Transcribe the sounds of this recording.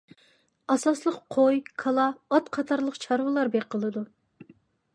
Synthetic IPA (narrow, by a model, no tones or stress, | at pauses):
ɑsɑslˠəqqʰojkʰɑlˠɑːt̪qʰɑt̪ʰɑɾlˠəqt͡ʃʰɑɾwɨlˠɑɾbeqʰəlˠɨd̪u